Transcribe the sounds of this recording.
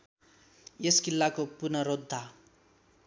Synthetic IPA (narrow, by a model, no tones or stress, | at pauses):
jeskilːakopunʌɾod̪ʱːa